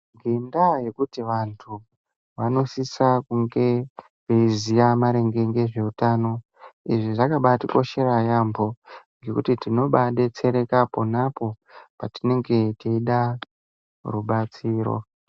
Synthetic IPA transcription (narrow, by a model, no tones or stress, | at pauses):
ɡindaje̞kutiʋantʰu | ʋano̞sisakuŋɡe̞ | eizijamaɾe̞ŋɡe̞ŋɡe̞ʐe̞utano̞ | iʐiʐakaɓatiko̞ʃe̞ɾajambo̞ŋɡe̞kutitino̞ɓaɗet͡se̞ɾe̞kapo̞napo̞ | patine̞ŋɡe̞teiɗa | ruɓat͡siːɾo̰